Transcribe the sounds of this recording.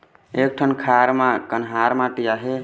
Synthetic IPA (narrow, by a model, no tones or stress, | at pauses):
ek̚ʈʰənkʰaɾmakənɦaɾmaʈijaɦe